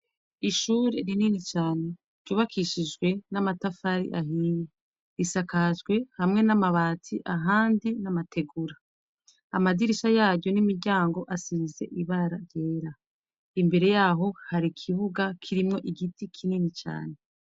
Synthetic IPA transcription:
iʃuɾe̞ɾininit͡ʃaːne̞ | ɾ̥ɟuːβakʰiʃid͡ʒɡwe̞namatafaɾḭʔaɦiːɲe | ɾisakaʒɡwe̞hamŋe̞namaβaːtʰiʔaɦaːndinamatʰe̞ɡuɾa | amadiɾiʃajaːɾɟo̞nimiɾɟaːŋɡo̞ʔasize̞̰ʔiβaɾaɾjeːɾa | imbe̞ɾe̞jaːɦo̞haɾikʰiβuɡakʰiɾimŋo̞ʔiɡitikʰininit͡ʃa̰ːne̞

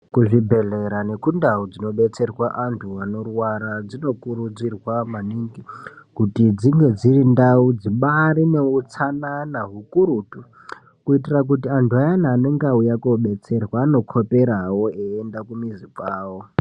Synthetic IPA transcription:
kuʐibʱe̞ɮeɾane̞kundaud͡zino̞ɓe̞t͡se̞rwaʔantʰuano̞rwaɾad͡zino̞kuɾud͡zirwamaniŋɡikutid͡ziŋɡe̞d͡zirindaud͡ziɓaɾine̞ut͡sananaɦukuɾuːtu | kuitirak̬utiantʰuajanaːneŋɡaujakoɓe̞t͡se̞rwaːno̞kʰo̞pe̞ɾawo̞eendakumizipaːwo

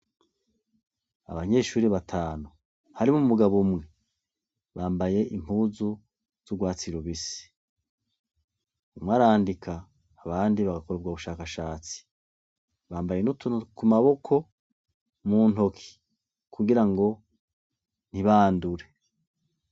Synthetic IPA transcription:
a̰βaɲe̞ːʃuːɾiβatʰaːnu | haɾimumumuɡaβumŋe̞ | βaːmbaje̞ʔim̥uːzu | z̥uɡwaːt͡siɾoβisi̥ | umwaːɾaːndikʰaː | βaːndiβaɡako̞ɾub̚ɡwaβuʃaːkaʃaːt͡si̥ | βaːmbajenutukumaβo̞kʰo̞ | muːn̥o̞kʰi̥ | kʰuɡiɾaŋɡo̞ | n̥iβaːnduɾe̞

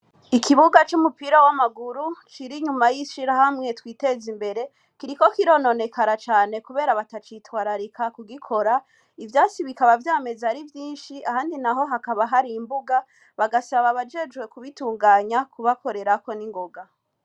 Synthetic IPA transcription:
ikiβuɡat͡ʃumupiɾawamaɡuɾut͡ʃiɾiɲumajiʃiɾahamŋe̞twiːte̞zimbe̞ɾe̞ | kiɾiko̞kiɾo̞no̞ne̞kaɾat͡ʃaːne̞kuβe̞ːɾaβatat͡ʃitwaːɾaɾikʰakuɡikʰo̞ɾa | ivjaːt͡siβikaβavjaːme̞zaɾivjiːnʃiʔahaːndinaɦo̞ɦakaβaɦaɾiːmbuɡa | βaɡasaβaβad͡ʒe̞d͡ʒwe̞kuβituːŋɡaːɲakuβako̞ɾe̞ɾako̞niŋɡo̞ɡa

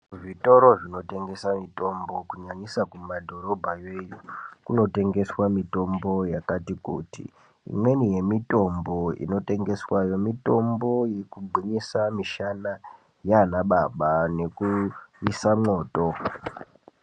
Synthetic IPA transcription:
ʐito̞ɾo̞ʐino̞te̞ŋɡe̞samito̞mbo̞kuɲaɲisakumadʱo̞ɾo̞bʱajejukuno̞te̞ŋɡe̞swamito̞mbo̞jakatikṵtḭ | ḭmwe̞nije̞mito̞mbo̞ḭno̞te̞ŋɡe̞swajo̞mito̞mbo̞je̞kubʱiɲisamiʃana | jaaːnaɓaɓane̞kuisamo̞ːto̞

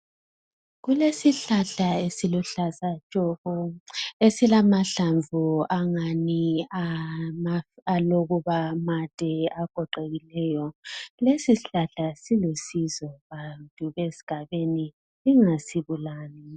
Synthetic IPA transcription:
ɣulesiɬaɬaesiluɬasḁt͡ʃʼɔɣɔesilamaɬaɱvuaŋaniamaaloɣuβamatʼɛaɡ̥ʱɔǃeɣilɛːjɔlesiɬaɬasilusizɔβantʼuɣesi̥ɡ̥ʱaβeni | iŋasiβulaːni

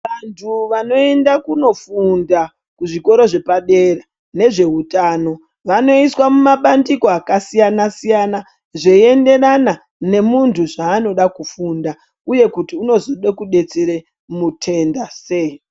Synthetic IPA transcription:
ʋantʰuʋano̞e̞ndakuno̞funda | kuʐiko̞ɾo̞ʐe̞paɗe̞ra | ne̞ʐe̞ɦutaːno̞ | ʋano̞iswamumaɓandiko̞akasijanasijana | ʐe̞ie̞nde̞rana | ne̞muntʰuʐaːno̞ɗakufunda | uje̞kutiuno̞zoɗe̞kuɗe̞t͡seɾe̞ | mutʰe̞ndase̞i

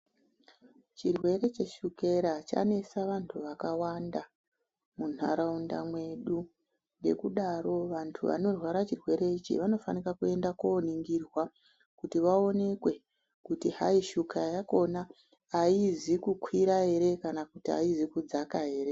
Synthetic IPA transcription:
t͡ʃirwe̞ɾe̞t͡ʃe̞ʃuke̞ɾat͡ʃa̰ne̞saʋantʰuʋakawanda | munaɾaunda̰mwe̞ɗu | ne̞̰kuɗaɾo̞ʋantʰuʋa̰no̞rwaɾat͡ʃirwe̞ɾe̞it͡ʃḭʋano̞fanirakue̞ndakoːniŋɡirwa | kutiʋao̞ne̞kwe̞ | kutiɦaiʃukajako̞naː | izikukʰwiɾaɦe̞ɾe̞kanakutia̰izikud͡zakaɦe̞ːɾe

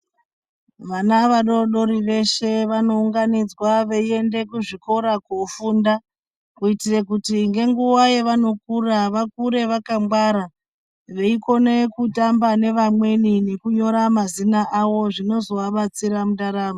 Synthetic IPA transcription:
ʋanaʋaɗo̞ɗo̞ɾiʋe̞ʃe̞ʋano̞uŋɡanid͡zwaʋe̞ie̞nde̞kuʐiko̞ɾakofuːnda | kuitirekutiŋɡe̞ŋɡuwajeʋano̞kuraʋakuɾe̞ʋakamɡwaɾa | ʋe̞iko̞ne̞kutambane̞ʋamwe̞nine̞kuɲo̞ɾamazinaʔawo̞ʐino̞zo̞ʋaɓat͡siɾamuɗaɾaːmo

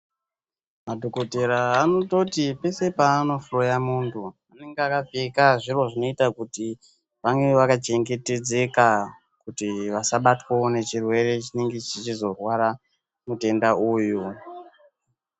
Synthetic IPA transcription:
madʱoko̞te̞ɾaːno̞to̞tipe̞se̞paːno̞furojamuntʰuane̞ŋɡeakavekaʐiro̞ʐino̞itakuti | ʋaŋɡe̞ʋakat͡ʃe̞ŋɡe̞te̞d͡ze̞ka | kutiʋasaɓatwoone̞t͡ʃirwe̞re̞t͡ʃineŋɡit͡ʃit͡ʃizo̞rwaɾa | mute̞ndaʔuːju

